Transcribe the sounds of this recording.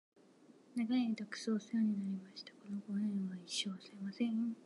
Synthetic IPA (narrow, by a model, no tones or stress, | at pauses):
naɡaiit̪akɯ̟̥soːsɨjoɲ̟inaɾʲimaɕi̥t̪ḁko̞no̞ɡonẽɰ̃βaiɕːo̞ːsɨɾemasẽŋ